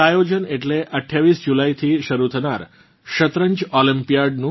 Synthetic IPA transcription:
ajod͡ʒəneʈleʔəʈʰːjaʋisd͡ʒulait̪ʰiʃəɾut̪ʰəna̰ɾ | ʃət̪ɾəɲd͡ʒɔlimpijaɖnũ

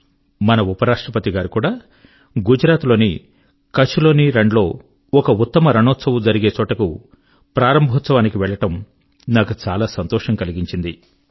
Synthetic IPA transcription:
mɐnɐupɐɾaːʂʈɾɐpɐt̪iɡaːɾikuːɽaː | ɡud͡ʒɾaːt̪lo̞ːnḭ | kɐt͡ʃːulo̞ːniɾeɳɖlo̞ː | ɔkɐut̪ːɐmɐɾɐɳɔːt̪sɐʋɐd͡ʒɐɾiɡe̞ːt͡ʃɔːʈɐku | pɾaːɾɐmbʱɔːt̪sɐʋaːnikiʋɛɭːɐʈɐm | naːkut͡ʃaːlaːsɐnt̪ɔːʂɐŋkɐliɡiɲt͡ʃind̪i

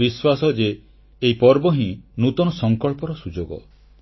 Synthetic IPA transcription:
iswasɔd͡ʒeː | ipɔɾbɔɦĩnut̪ɔnɔsɔŋkɔɭpɔɾɔsud͡ʒoɡɔ̰

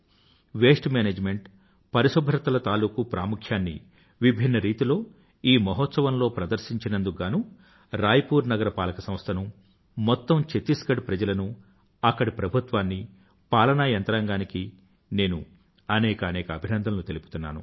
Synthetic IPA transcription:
ʋe̞ːsʈmeːneːd͡ʒme̞ɳʈ | pɐɾiʃobʱɐɾɐt̪ɐlɐt̪aːluːkupɾaːmukʰjaːnːḭ | ʋibʱinːɐɾiːt̪ilo̞ː | iːmɐɦɔt̪sɐʋɐnlo̞ːpɾɐd̪ɐɾʃiɲt͡ʃinɐnd̪uɡaːnu | ɾaːjɐpuːɾnɐɡɐɾɐpaːlɐkɐsɐ̃m̃st̪ʰɐnu | mɔt̪ːɐmt͡ʃet̪iskɐɖpɾɐd͡ʒɐlɐnu | ɐkːɐɽipɾɐbʱut̪ʋaːnːi | paːlɐnajɐnt̪ɾaːŋɡaːniki | ne̞ːnṵ | ɐnɛːkɐːnɛːkɐːbʱinɐnd̪ʱɐnlut̪elipu̥t̪unːa̰ːnṵ

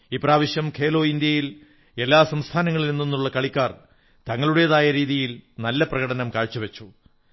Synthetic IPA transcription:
iːpraːʋiɕjɐmkʰeːlo̞ːind̪jɐjil | e̞lːaːsɐmst̪ʰaːnɐŋːɐɭilinːinːuɭːɐkɐɭikʲːaːr | t̪ɐŋːɐɭuɽejɐðaːjɐɾiːðijilnɐlːɐprɐɣɐɽɐnɐmkaːɻt͡ɕːuʋet͡ɕːu

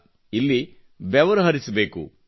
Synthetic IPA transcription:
ilːi | bɛʋɐɾɐɦɐɾisɐbe̞ːkṵ

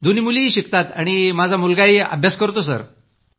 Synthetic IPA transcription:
d̪unimuliːɕikt̪at̪aɽ̃imad͡zʱamulɡaia̰bʱjaskəɾt̪osə̰ɾ

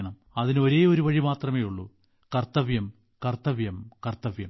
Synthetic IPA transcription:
ɳɐm | ɐðinɨo̞ɾe̞ːo̞ɾuʋɐɻimaːt̪rɐmeːjuɭːu | kɐrt̪ɐʋjɐm | kɐrt̪ɐʋjɐmkɐrt̪ɐʋjɐm

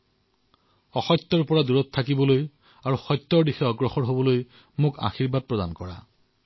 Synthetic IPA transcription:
ɔxɔt̪ːɔɹpɔɹaduɹɔt̪ʰːakibɔloj | aɹuxɔjt̪ːɔɹdixɛɔɡɹɔxɔɹɦobɔloj | mʊka̰xiɹbad̚pɹɔdankɔɹa̰

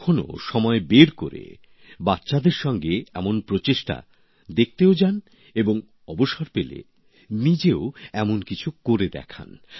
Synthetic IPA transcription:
kʰono̰ʃɔmɔebeɾkoɾḛ | batːɕad̪eɾʃɔŋɡeɛmonpɾot͡ɕeʃʈa̰ | d̪ek̚t̪eod͡ʑan | eboŋ | ɔboʃoɾpelḛ | nid͡ʑeoɛmonkit͡ɕʰukoɾed̪ɛ̰kʰa̰n

